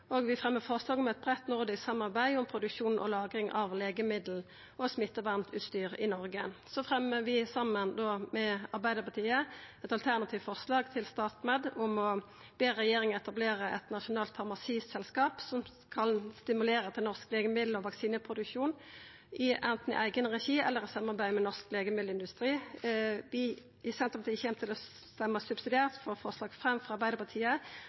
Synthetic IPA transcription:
oɡʋɪfʁɛmːəfɔʁslɑːɡɔmɛt̪̚bʁɛt̪nʊʁd̪ɪssɑmːɑʁbæɪʊmpʰʁʊd̪ʉkʂuːnʔɔ̰lɑːɡʁɪŋʔɑʋleːɡəmɪd̪l̩ | ʔɔsmɪt̪ːəʋɑʁmt̪ʰʉːt̪st̪yːʁɪnɔʁɡəsɔfʁɛmːəʋɪsɑmːənd̪oːmɛɑʁbæɪd̪əpɑt̪ʰiːəɛt̪ɑlt̪ʰæʁnɑt̪ʰiːʋfɔʁslɑːɡt̪ʰɪlst̪ɑːt̪mɛd̪ʊmɔ | b̥eːʁɛjeːʁɪŋəɛt̪ɑbleːʁəʔɛ̰t̪nɑʂʊnɑːlt̪fɑʁmɑsiːssɛlskɑːpsɔm | kʰɑnst̪ɪmʉleːɾət̪ʰɪlnɔʁskleːɡəmɪd̪l̩ɔʋɑksiːnəpʰʁʊd̪ʉkʃuːn | ʔɪʔɛnt̪n̩̰ʔæɪɡənʁɛʃiːɛ̰lːəʁɪsɑmːɑʁbæɪmɛnɔʁskleːɡəmɪd̪l̩ɪnd̪ʉst̪ʁiː | ʋɪ | ʔɪsɛnt̪ʁəpɑt̪ʰiçɛmt̪ʰɪlɔ | st̪ɛmːəsʉbsɪd̪ɪeːʁt̪fɔːʁfɔʁslɑːɡfʁɛmːfʁɑʁbæɪd̪əpɑt̪ʰiːə

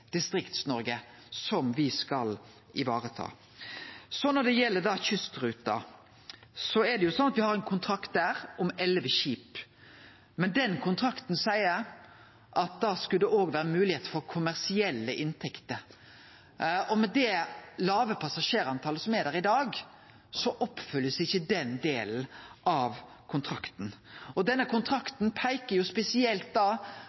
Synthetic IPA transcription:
d̪̥ɪst̪ɾɪkt̪snɔɾɡə | sɔmʋɪskɑl | ɪʋɑːɾət̪ʰɑ̰ː | sɔnɔɖ̪ɛjɛlːəɖ̪ɑçʏst̪ɾʉːt̪̚d̪ɑ̰ | sɔɛd̪ɛjʊsɔnːɑt̪ʋɪhɑɾɛɪnkʰʊnt̪ʰɾɑkt̪̚d̪æːɾɔmɛlʋəɕiːp | mɛnd̪ɛnkʰʊnt̪ʰɾɑkt̪nsæɪəɾ | ʔɑt̪̚d̪ɑskʉld̪ɛʔoːɡʋæːɾəmʉːlɪheːt̪əfɔɾkʰʊmæʁsɪɛlːəʔɪnt̪ʰɛkt̪ə | ɔmɛd̪ɛlɑːʋəpʰɑsɑʂeːɾɑnt̪ʰɑːləsɔmæɾd̪æːɾɪd̪ɑːɡ | sɔʔɔpːfʏlːəsɪçːəd̪ɛnd̪eːln̩ɑʋ | kʰʊnt̪ʰɾɑkt̪n̩ɔd̪ɛnːəkʰʊnt̪ʰɾɑkt̪npʰæɪkəɾjʊspɛsɪɛlt̪̚d̪ɑː

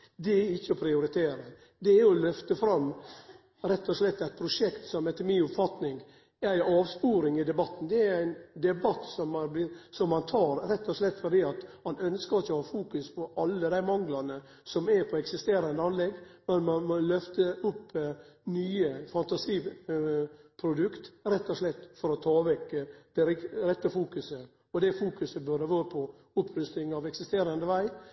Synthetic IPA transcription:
d̪ɛæɾɪçːəɔpʰɾɪʊɾɪt̪ʰeːɾə | d̪ɛæɾɔlœft̪əfɾɑmː | ɾɛt̪ʰːɔslɛt̪ːæɪt̪̚pʰɾʊʂɛkt̪sɔmɛt̪ʰəmiːʊpfɑt̪nɪŋ | æɪɑːʋspuːɾɪŋɪd̪ɛbɑt̪ːn̩d̪ɛæɾæɪnd̪ɛbɑt̪ːsɔmɑbɪsɔmhɑnt̪ʰɑːɾɾɛt̪ːɔslɛt̪ːfɔɾɖ̪iːɑt̪mɑnœnskəɾɪçːəɔhɑːfuːkʉspʰɔʔɑlːəd̪æɪmɑŋlɑnə | sɔmɛpʰɔɛksɪst̪eːɾɑnd̪əɑnlɛɡːmɛnmɑnmɔlœft̪əʊpːnyːəfɑnt̪ɑsiː | pʰɾʊd̪ʉkt̪ɾɛt̪ːɔʂlɛt̪ːfɔɾɔt̪ʰɑːʋɛkːəd̪̥ɛɾɪɾɛt̪ːəfuːkʉsə | ɔd̪ɛfuːkʉsəbœd̪əʋɑːɾəpʰɔ | ʊpʰːɾʉst̪ɪŋɑʋɛksɪst̪eːɾɑnd̪əʋæɪ

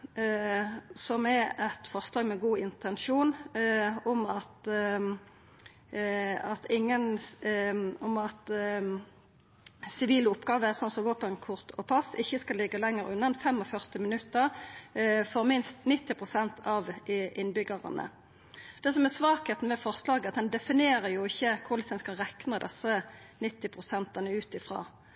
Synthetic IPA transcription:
sɔmɛɛt̪fɔʁslɑːɡmɛɡuːɪnt̪ɛnʃuːn | ɔmɑt̪ | ɑt̪ʰɪŋːən | ɔmɑt̪ | sɪʋiːləʊpɡɑːʋəæʁsɔnsɔmʋoːpənkʰʊʁt̪ʰɔpʰɑsɪçːəskɑlːɪɡəlɛŋːəɾʉnːɑnfɛmːɔfœʁt̪ɪmɪnʉt̪ːəʁ | fɔʁmɪnst̪nɪt̪ːɪpʰʁʊsɛnt̪ʰɑʋʔɪnbʏɡəʁɑ̰nə̰ | d̪̥ɛs̬ɔmɛʁsʋɑːkheːt̪n̩ʋɛfɔʁslɑːɡəɑt̪̚d̪ɛnd̪ɛfɪneːʁəjʊɪçːəkʰʊʁlɪsd̪ɛnskɑʁɛknəd̪ɛsːə | nɪt̪ːɪpʰʁʊsɛnt̪ɑnəʉːt̪ɪfʁɑ̰ː

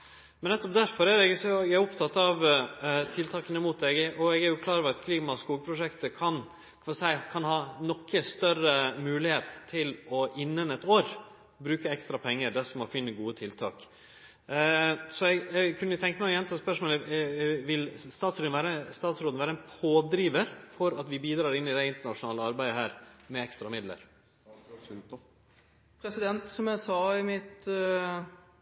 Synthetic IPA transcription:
mɛnɛt̪ːɔp̚d̪æɾfɔɾæɾɛɡsɔæɔpt̪ʰɑt̪ːɑʋt̪ʰɪlt̪ʰɑːkənəmuːt̪̚d̪ɛɡʔɔɛɡæɾjʊkʰlɑːɾɔʋɾɑt̪kʰliːmɑskuːɡəpʰɾʊʂɛkt̪əkʰɑn | ɑsæɪkʰɑnhɑːnɔkːəst̪œɾəmʉːlɪheːt̪ʰːɪlɔʔɪnːənɛt̪oːɾ | bɾʉːkəɛkst̪ɾɑpʰɛŋːəɾɖ̪æʂɔmɔfɪnːəɡuːət̪ʰɪlt̪ʰɑ̰ːk | sɔɛɪɡɛɡkʰʉnːəʊt̪ʰɛŋkːəmɛjɛnt̪ʰːspœʂmoːləʋɪlst̪ɑːt̪sɾoːʋæːɾəst̪ɑːt̪sɾoːd̪n̩ʋæːɾəæɛnpʰoːd̪ɾiːʋəɾfɔɾɑt̪ʋɪbiːd̪ɾɑːɾɪnːɪd̪æɪnt̪əɳɑʂʊnɑːləɑɾbæɪd̪əɦæːɾmɛɛkst̪ɾɑmɪd̪lə̰ɾ | pʰɾɛsɪd̪ɛnt̪sɔmjæsɑːɪmɪt̪

